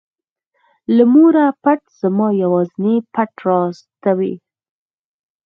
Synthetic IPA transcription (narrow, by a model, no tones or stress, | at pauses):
ləmuɾapaʈz̥amɑjawɑznepaʈɾɑst̪awḛ